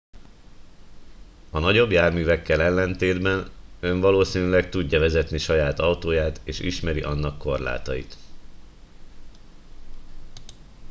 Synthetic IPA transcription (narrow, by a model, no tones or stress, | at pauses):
ɒnɒɟo̞bjaːrmyːvɛkːɛlɛlːɛnt̪eːd̪bɛnø̞ɱvɒloːsiːnylɛk̚t̪uɟːɒvɛzɛt̪niʃɒjaːt̪ɒwt̪oːjaːt̪eːʃḭʃmɛɾiʔɒnːɒkːo̞rla̰ːt̪ɒjḭt̪